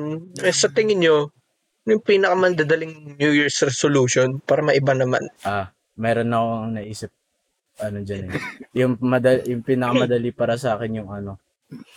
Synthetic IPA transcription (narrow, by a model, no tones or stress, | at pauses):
m̩ɛsɐt̪ɪŋɪnɲo | njʊŋpiːnɐkɐmɐnd̪ad̪ɐlɪŋnjujiɹsɾɛsoluːʃonpaːɾɐmɐʔɪbanɐma̰nʔa | mɛːɾo̞nːɐkoɐɐŋnɐʔiːsɪp̚ | ʔɐnod͡ʒɐnɛjʊŋmɐd̪ɐjʊŋpiːnɐkɐmɐd̪ɐlipaːɾɐsaːkɪnjʊŋɐno̞